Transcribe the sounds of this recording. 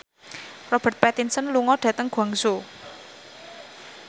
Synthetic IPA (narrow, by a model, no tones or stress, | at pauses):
rɔb̥ə̤t̪̚pɛt̪insənluŋɔɖ̥a̤t̪əŋɡ̥waŋso